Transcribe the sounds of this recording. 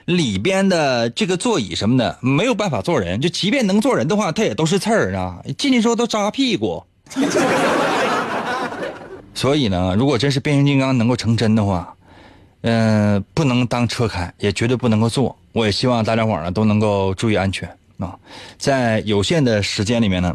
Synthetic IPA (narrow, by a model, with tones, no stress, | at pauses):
li˨˩pjɛ˥nd̪ə˨ʈ͡ʂɤ˥˩ɡə˩t͡swɔ˥˩ḭ˨˩ʂə˧˥nmə˧˩d̪ə̰˨˩me˧˥ɪjo˨˩pa˥˩nfa˨˩t͡swɔ˥˩ɻə˧˥nt͡ɕjo˥˩ʊt͡ɕi˧˥pjɛ˥˩n˧˥ŋ˥t͡swɔ˥˩ɻə˧˥nd̪ə˧xwa˥˩t̪ʰa˥˩jɛ˨˩t̪o˥ʊʂɻ̩˥˧t͡sʰə˥˩a˧˩t͡ɕi˥˧t͡ɕi˥˩ʂ̩˥˧˩t̪o˥˧ʈ͡ʂa˥pʰi˥˩kwɔ̰˥˩˥ | swɔ˧˥i˨˩nə˦ɻu˧˥kwɔ˨˩ʈ͡ʂə˥nʂ̬ɻ̩˥˧pjɕt͡ɕi˥˧ŋkɑ˥ŋn˧˥ŋko˥˩ʊʈ͡ʂʰɤ˧˥ŋʈ͡ʂə˥nd̪ə˨xwa̰˥˩ | ə˧pu˥˩nɤ˧˥ŋt̪ɑ˥ŋʈ͡ʂʰɤ˥kʰa˨˩˦njɛ˨˩t͡ɕɥɛ˧˥t̪wɪpu˥˩nɤ˧˥ŋko˥˧t͡swɔ˥˩ | wɔ˧˥jɛ˨˩ɕi˥wɑ˥˧ŋt̪a˥˧ljɑ˥wɑ̰˨˩nə˦t̪o˥ʊnɤ˧˥ŋko˥˧ʊʈ͡ʂu˥˧i˥˧a˥nt͡ɕʰɥɛ̰˧˥n | ɐ˧t͡sa˥˩ɪjo˨˩ʊɕjɛ˥˩nd̪ə˩ʂɻ̩˧˥t͡ɕjɛ˥nli˨˩mjɛ˥˩nə˧